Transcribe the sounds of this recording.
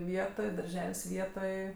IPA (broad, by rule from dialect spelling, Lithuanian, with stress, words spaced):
ˈʋʲiɛtoːj dɐrʲˈʒʲɛlʲsʲ ˈʋʲiɛtoːj